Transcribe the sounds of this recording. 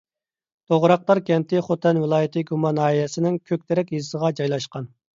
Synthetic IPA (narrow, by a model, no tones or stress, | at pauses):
t̪ʰoʁɾɑq̚t̪ˠɑɾkʲʰɛnt̪ʰɪχot̪ʰɛnvɪlˠɑːjɪt̪ʰɨɡumɑnɑːijɛsɪnɪŋkʲʰøk̚ʲt̪ʰɛɾɛkʲjisəʁɑd͡ʒɑjlˠɑʃqɑn